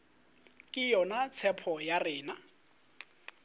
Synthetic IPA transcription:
kʼɪjɔnat͡sʰɛpʰɔjarɪːna

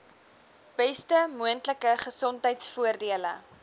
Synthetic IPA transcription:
b̥ɛstəmuəntləkəχəsɔntɦəjtsfuərdiələ̰

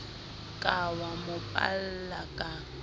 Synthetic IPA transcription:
kʼawamʊpʼa̰l̩lakʼa

